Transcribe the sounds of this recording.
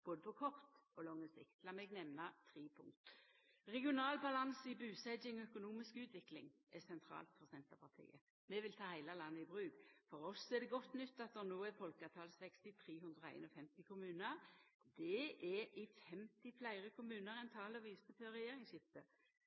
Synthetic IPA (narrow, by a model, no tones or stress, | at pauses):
b̥oːd̪əpʰɔkʰɔʁt̪ɔlɔŋːəsɪkt̪lɑːmɛɡnɛmnɑt̪ʰʁiːpʰʊ̰ŋt̪ | ʁɛɡɪʊnɑːlbɑlɑnsəɪbʉːsɛɪŋɔœkʊnuːmɪskʉːt̪ʰʋɪklɪ̰ŋʔɛsɛnt̪ʰɾɑ̰ːlt̪fɔʁsɛnt̪əpʰɑʁt̪ʰḭːə | mɛʋɪlt̪ʰɑːhæɪlɑlɑnːəɪbʁʉːɡfɔɾɔsːɔɛd̪ɛɡɔt̪ːnʏt̪ːɑt̪̚d̪ɛʁnoːɛfɔlkəɑt̪ʰɑːlsɛkst̪ɪt̪ʰʁiːɦʉnd̪ʁɔæ̰ɪnɔfɛmt̪ɪkʰʊmʉːnəʁd̪ɛʔɛɾʔɪfɛmt̪ɪflæɪʁəkʰʊmʉːnəʁɛnt̪ʰɑːlɔʋiːsəføːʁɛjeːɾɪŋsɪft̪ə